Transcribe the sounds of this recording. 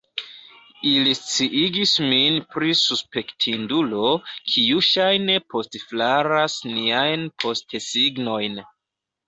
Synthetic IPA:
ilist͡siʔiɡisminpɾisuspe̞ktʰindulo̞kʰiuʃajne̞pʰo̞stflaɾasniajnpʰo̞stsiɡno̞jn

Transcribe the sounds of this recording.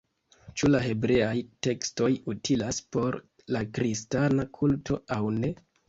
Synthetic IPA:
t͡ʃulaɦe̞bɾe̞ajte̞ksto̞jutʰilaspo̞ɾ | lakɾistanakʰultʰo̞awne̞

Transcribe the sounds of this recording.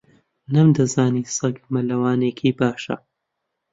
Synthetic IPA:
nɐmd̪ɐzaːniːsɐɡmɐlɐwaːnekʰiːbaːʃɐ̰

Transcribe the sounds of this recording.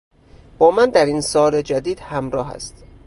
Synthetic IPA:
b̥ɒːmænd̪æɾinsɒːled͡ʒæd̪iːd̪̥hæmɾɒːɦæ̰st̪

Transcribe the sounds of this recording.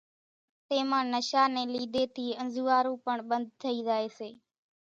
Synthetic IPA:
t̪eːmãːnəʃaːnɛ̃ːliːd̪eːt̪ʰiːənzuːaːɾũːpəɳɓənd̪̚ʱt̪ʰəiːzaːeːseː

